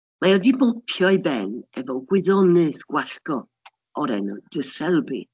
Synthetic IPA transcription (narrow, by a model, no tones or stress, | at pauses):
maɔdibɔpʰjɔjbɛnɛvɔɡwɪðɔnɨðɡ̥waɬkɔ | ɔɾɛ̰nɔ̰d̥əsɛlˠbḭ